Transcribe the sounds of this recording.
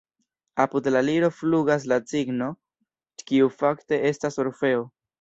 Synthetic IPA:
apudlaliɾo̞fluɡas̬lat͡siɡno̞ | kiufakte̞ʔe̞stasoɾfe̞o

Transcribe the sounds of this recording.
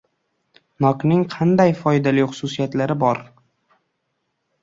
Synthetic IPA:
nɒknɪŋqʰɑnd̪ajfɒjd̪alɪjχʊ̥sʊsijat̪laɾɪbɒɾ

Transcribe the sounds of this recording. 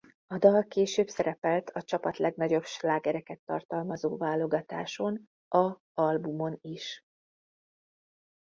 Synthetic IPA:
ɒd̪ɒlkeːʃøːbsɛɾɛpɛlt̪ʰɒt͡ʃɒpɒt̪lɛɡnɒɟo̞bʃlaːɡɛɾɛkɛt̪ːɒ̰rt̪ɒlmɒzo̰ːvaːlo̞ɡɒt̪aːʃo̞n | ɒ | ɒlbumo̞niʃ

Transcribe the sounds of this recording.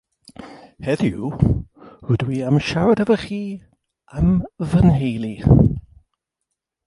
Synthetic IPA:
hɛðju | ɹʊdwiamʃaɾədəvəχiː | əmvənɦejlˠi

